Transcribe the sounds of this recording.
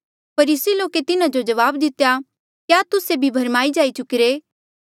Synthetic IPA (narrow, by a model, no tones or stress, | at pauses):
pɐɾiːsiloːket̪ɪnãd͡ʒod͡ʒɐʋaːbd̪ɪt̪eja | kjaːt̪ʊsebʱibʱɐɾmaːid͡ʒaːit͡ʃʊkɪɾeː